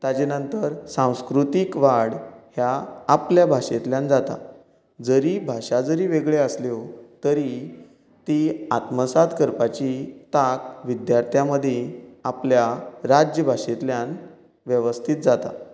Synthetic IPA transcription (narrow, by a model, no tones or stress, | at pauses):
t̪at͡ɕenənt̪əɾsãw̃skɾut̪ikʋaɽhjaːpljabʱaʂet̪ljand͡zat̪a̰ | d͡zəɾibʱaʂad͡zəɾiːʋeɡɭeəslot̪əɾi | t̪iat̪məsad̪ʱkəɾpat͡ɕit̪akʋid̪jaɾt̪ʰjaməd̪ʱjeapljaɾad͡ʑjəbʱaʂet̪ljãn | ʋjəʋəst̪ʰit̪̚d͡zat̪a̰